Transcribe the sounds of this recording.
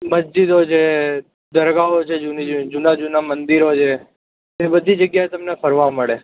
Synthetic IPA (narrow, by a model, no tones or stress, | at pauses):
məsd͡ʒid̪ot͡ʃʰe | d̪əɾɡaot͡ʃʰed͡ʒunid͡ʒud͡ʒunad͡ʒunamənd̪iɾot͡ʃʰe | ebəd̪ʱid͡ʒəɡjaet̪əmnepʰəɾʋaməɭe